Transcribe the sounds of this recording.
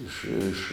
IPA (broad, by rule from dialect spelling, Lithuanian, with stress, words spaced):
ˈɪʃ ɪʃ